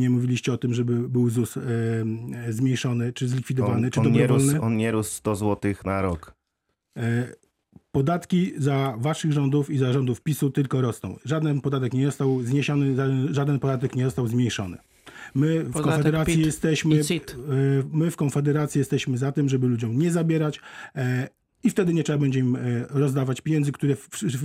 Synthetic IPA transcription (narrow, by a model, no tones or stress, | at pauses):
ɲɛmuvʲilʲiɕt͡ɕɛɔt̪ɘmʐɛbɘbɘwzus | zmʲejʂɔnɘt͡ʂɘzlʲikfʲid̪ɔvanɘt͡ʂɨɔɛvɾɔlnɘɔnɲɛɾusːt̪ɔzwɔt̪ɘxnaɾɔk | pɔd̪at̪kʲizavaʂɘɣʐɔnd̪ufizaʐɔnd̪ufpʲisut̪ɘlkɔɾɔsnɔ̰̃w̃ʐad̪ɛnpɔd̪at̪ɛkɲɛzɔst̪awzɲeɕɔnɘʐaʐad̪ɛnpɔd̪at̪ɛkɲɛzɔst̪awzmʲjejʂɔnɘ̰ | mɘkɔnfɛd̪ɛɾat̪sʲjijɛst̪ɛɕmɘsmɘfkɔnfɛd̪ɛɾat̪sʲjijɛst̪ɛɕmɘzat̪ɘmʐɛbɘlud͡ʑɔ̃w̃ɲɛzabʲjɛɾat͡ɕ | ift̪ɛd̪ɘɲɛtt͡ʂɛbabɛɲd͡ʑɛimɾɔzd̪avat͡ɕpʲjeɲɛndzɘkt̪uɾɛ